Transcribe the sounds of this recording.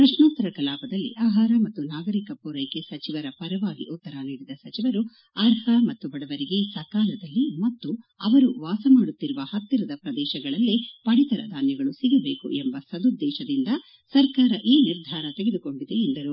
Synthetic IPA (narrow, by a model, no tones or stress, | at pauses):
pɾɐʂnaːnt̪ɐɾɐkɐlaːpɐd̪ɐlːḭʔaːɦaːɾɐmɐt̪ːunaːɡɐɾikɐpuːɾɐjkesɐt͡ʃiʋɐɾɐpɐɾɐʋaːɡḭʔut̪ːɐɾɐniːɽid̪ɐsɐt͡ʃiʋɐɾu | aɾhɐmɐt̪ːubɐɽɐʋɐɾiɡe̞sɐkaːlɐd̪ɐlːimɐt̪ːuɐʋɐɾuʋaːsɐmaːɽut̪ːiɾuʋɐhɐt̪ːiɾɐd̪ɐpɾɐd̪ɛːʃɐɡɐɭɐlːipɐɽit̪ɐɾɐ̰d̪ʱaːnjɐɡɐɭusiɡɐbe̞ːkṵʔembɐsɐd̪ud̪ːɛːʃɐd̪ind̪ɐ | sɐɾkaːɾɐʔiːniɾd̪ʱaːɾɐt̪eɡed̪uko̞ɳɖid̪e̞ːnd̪ɐɾu